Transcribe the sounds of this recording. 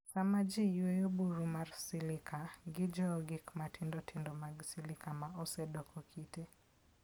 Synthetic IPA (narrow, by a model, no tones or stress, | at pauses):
samad͡ʒijwojobuɾumarsɪlɪkʰaɡɪd͡ʒɔɡɪkmatʰɪndɔtʰɪndɔmaɡsilɪkamaɔsɛdɔkʰɔkʰite